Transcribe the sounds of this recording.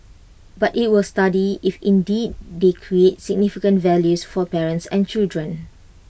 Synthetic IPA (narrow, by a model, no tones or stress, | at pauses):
batit̚wɪlstadiifĩndid̚dekʰɹietsɪɡ̚nifikə̃ntvɛljusfɔpɛɹə̃nsɛ̃nt͡ʃildɹə̃n